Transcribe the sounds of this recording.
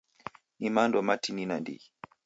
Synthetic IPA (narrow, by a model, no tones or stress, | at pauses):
nimandɔmatininandḭ